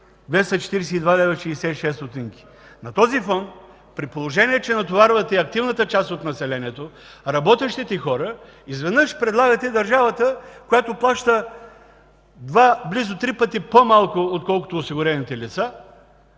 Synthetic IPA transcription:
d̪vɛst̪ɐt͡ʃɛ̥t̪iɾɛsɛid̪vad̪ɛvɛʃɛːsɛiʃɛst̪ot̪iŋkʲi̥ | nɐt̪ɔzifɔnt̪ | pɾipolˠoʒɛniɛt͡ʃɛnɐt̪ovaɾvət̪ɛiɐkt̪ivnət̪ət͡ʃast̪ot̪nɐsɛlɛniɛt̪o | ɾɐbɔt̪ɛʃt̪ɛt̪ixɔɾə | izvɛd̪nəʃpɾɛd̪lˠaɡɐt̪ɛid̪ɐɾʒavət̪əkojat̪oplˠaʃt̪ə | d̪vablizot̪ɾipət̪ipomalˠkoot̪̚kɔlˠko̥t̪oːsiɡʊɾɛnit̪ɛlit̪sa

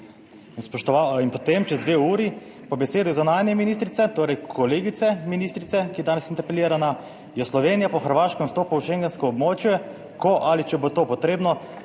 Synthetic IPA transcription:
inspɔʃt̪ɔʋainpɔt̪emt͡ʃɛzd̪ʋeːuːɾi | pɔbɛseːd̪uzɔnaːnjɛminiːst̪ɾit̪sɛt̪oːɾɛjkkʰɔleːɡit̪sɛminiːst̪ɾit̪sɛkijɛd̪aːnɛsint̪ɛɾpɛliːɾana | jɛslɔʋeːnijapɔxəɾʋaːʃkɛmst̪oːpuwʃeŋɡɛnskɔɔbmoːt͡ʃjɛ | kɔʔalit͡ʃɛbot̪oːpɔt̪ɾeːbnɔ

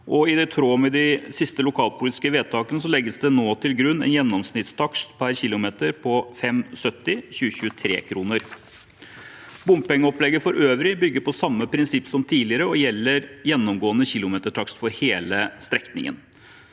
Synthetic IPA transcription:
ʔɔɪd̪ɛt̪ʰɾoːmɛd̪ɪsɪst̪əlʊkʰɑːlpʰʊliːt̪ɪ̥skəʋeːd̪̚t̪ʰɑːkənəsɔlɛɡːəsd̪ɛnoːt̪ʰɪlɡɾʉnːɛ̰njɛnːɔmsnɪt̪st̪ʰɑkst̪pʰæɾçɪlʊmeːt̪əɾpʰɔfɛmsœt̪ːɪçʉːəɕʉːət̪ʰɾḛːkʰɾuːnəɾ | bʊmppɛŋːəɔplɛɡːəfɔɾʔøːʋɾɪbʏɡːəpɔsɑmːəpʰɾɪnsɪpːsɔmt̪ʰiːlɪəɾəɔjɛlːəɾjɛnːɔmɡoːənəçɪlʊmeːt̪əʈʰɑkst̪fɔɾheːləst̪ɾɛknɪ̰ŋə̰n

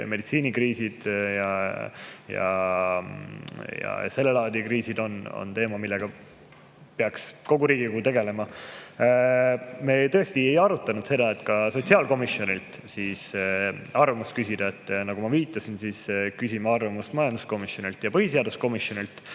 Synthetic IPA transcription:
me̞d̪it̪siːnikriːsid̪̥jɑ | jɑ̰ | jɑ̰se̞lːelɑːd̪ikriːsid̪o̞no̰nt̪e̞ːmɑmilːe̞ɡ̥ɑ | peɑksko̞ɡuɾiːɡiɡut̪e̞ɡe̞le̞mɑ | me̞t̪ɤest̪iejɑɾut̪ːˑɑnud̪̥se̞d̪̥ɑe̞t̪ːˑkɑso̞t̪siɑlko̞misjo̞nilt̪ | siːs | ɑrvɑmust̪̚kysʲid̪̥ɑet̪ːˑnɑɡ̥umɑviːt̪ːˑɑsinsiːskysimeɑrvɑmust̪mɑjɑnd̪usko̞misjo̞nilt̪jɑpɤhise̞ɑd̪usko̞misjo̞nilt̪

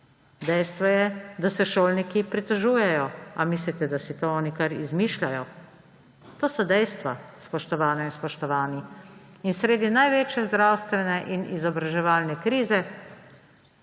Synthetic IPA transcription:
d̪ɛjst̪ʋɔjɛd̪asɛʃoːlnikipɾit̪əʒuːjɛjɔamislit̪ɛd̪asit̪oɔːnikaɾizmiːʃlʲajɔ | t̪oːsɔd̪ɛjst̪ʋaspɔʃt̪ɔʋaːnainspɔʃt̪ɔʋaːni | insɾeːd̪inajʋeːt͡ʃjɛzd̪ɾaːwst̪ʋɛnɛʔinʔizɔbɾaʒɛʋaːlnɛkɾiːzɛ

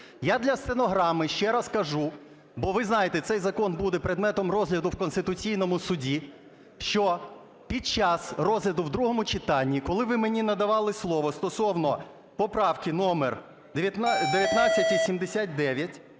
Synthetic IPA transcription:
jad̪lʲɐst̪enɔɦɾɑmɪʃt͡ʃɛɾɐskɐʒu | bɔʋɪznɑjet̪ɛt̪sɛjzɐkɔnbud̪ɛpɾed̪mɛt̪ɔmrɔzɦlʲɐd̪ʊwkɔnst̪ɪt̪ʊt͡sʲijnɔmʊsʊdʲi | ʃt͡ʃɔ | pʲid̪̚t͡ʃɑsrɔzɦlʲɐd̪ʊwd̪ɾuɦɔmʊt͡ʃɪt̪ɑnʲːikɔlˠɪʋɪmenʲinɐd̪ɐʋɑlˠɪslˠɔʋɔst̪ɔsɔwnɔ | pɔpɾɑwkɪnɔmer | d̪eʋʲjɐt̪nɑt͡sʲːɐtʲːisʲimd̪esʲat̪̚ʲd̪ɛʋʲjɐtʲ

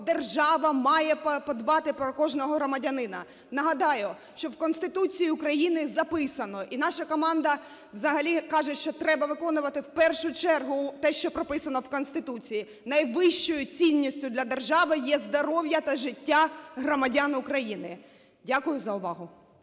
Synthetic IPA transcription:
d̪erʒɑʋɐmɑjɛppɔd̪bɑt̪ɪpɾɔkɔʒnɔɦɔɦɾɔmɐdʲɐnɪnɐ | nɐɦɐd̪ɑjʊ | ʃt͡ʃɔwkɔnst̪ɪt̪ut͡sʲijiʊkɾɐjinɪzɐpɪsɐnɔʔinɑʃɐkɔmɑnd̪ɐ | wzɐɦɐlʲikɑʒɛʃt͡ʃɔt̪ɾɛbɐʋɪkɔnʊʋɐt̪ɪwpɛrʃʊt͡ʃɛrɦʊt̪ɛʃt͡ʃɔpɾɔpɪsɐnɔwkɔnst̪ɪt̪ut͡sʲiji | nɐjʋɪʃt͡ʃɔjʊt͡sʲinʲːisʲtʲʊd̪lʲɐd̪erʒɑʋɪjɛzd̪ɔɾɔwjɐt̪ɐʒɪtʲːaɦrɔmɐdʲanʊkɾɐjinɪ | dʲakʊjʊzɐʊʋɑɦʊ

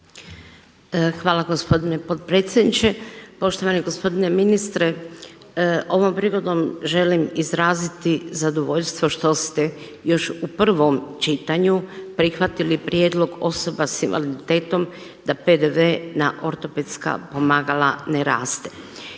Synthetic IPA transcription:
xʋaːlaɡo̞spo̞d̪ine̞po̞t̪̚pɾe̞ːt̪sjed̪nit͡ʃe̞po̞ʃt̪o̞ʋaneɡo̞spo̞d̪ine̞minist̪ɾe | ʔo̞ʋo̞mpɾiɡo̞d̪omʒe̞limizɾaːzit̪izad̪oʋo̞ʎʲst̪ʋo̞ʃt̪o̞st̪e̞ | jo̞ʃupr̩ʋo̞mt͡ʃit̪aɲupɾixʋat̪ilipɾjeːd̪lo̞ɡoso̞basinʋa̰lid̪it̪eːt̪o̞m | d̪̥ape̞d̪eʋe̞naʔo̞ɾt̪o̞pet̪ska̰po̞maːɡalaneɾaːst̪e̞̥

